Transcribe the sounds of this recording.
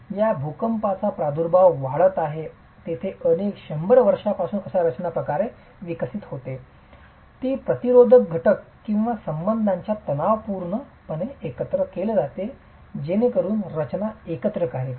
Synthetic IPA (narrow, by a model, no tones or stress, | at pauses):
jabʱukəmpat͡sapɾad̪ʱuɾbʱaʋʋaɭət̪aɦe | t̪et̪ʰeənekɕəmbəɽʋəɾʂapasuːnəsaɾət͡ɕnapɾəkaɾe | ʋikəsit̪hot̪e | t̪iːpɾət̪iɾod̪ʱək̚ɡʱəʈəkːĩw̃ʋasəmbənd̪ʱaɲt͡ɕjat̪ənaʋpuɾɳə | pəneekət̪ɾəkeləd͡zat̪e | d͡ʑenekəɾuːnɾət͡ɕnaekət̪ɾəkaɦe